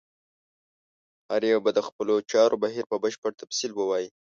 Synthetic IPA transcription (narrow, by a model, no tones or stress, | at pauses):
aɾeabad̪əxpəlot͡ʃɑɾʔobaɦiɾpəbəʃpəɽt̪afsilbəwɑji